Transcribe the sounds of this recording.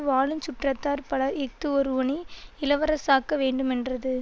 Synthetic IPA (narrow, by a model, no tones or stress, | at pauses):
ʋaːlɯnt͡ʃʊʈrɐt̪ːaːɾpɐɽɐɛk̚t̪ɯɔɾɯɔɳiɪlɐʋɐɾɐsaːkːɐʋeːɳɖɯmɛndrɐðɯ